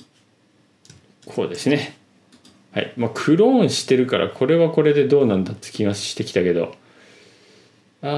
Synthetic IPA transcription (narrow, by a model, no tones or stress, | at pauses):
kʰo̞ːd̪e̞sɨne̞ | ha̰imaːkʰɯ̟ɾõ̞ːɰ̃ɕi̥t̪e̞ɾɯ̟kaɾʔa̰kʰo̞ɾe̞βako̞ɾe̞d̪e̞d̪o̞ːnãnd̪at̪ːe̥kʲiɡaɕi̥t̪e̞kʲi̥t̪ake̞d̪o̞̰ | aː